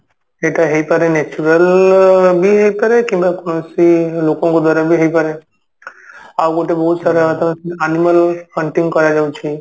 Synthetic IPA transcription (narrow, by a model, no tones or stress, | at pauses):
eʈaɦejpaɾenet͡ʃuɾəl | biɦejpaɾekĩmbakonosilokɔ̃ŋkod̪ɔɾabiɦejpaɾe | awɡoʈebɔɦut̪saɾat̪aaniməlkəɳʈiŋɡkɔɾad͡ʒawt͡ʃʰi